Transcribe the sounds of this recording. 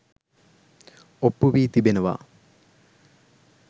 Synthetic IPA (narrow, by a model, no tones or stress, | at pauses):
opːuʋiːt̪ibenəʋa̰ː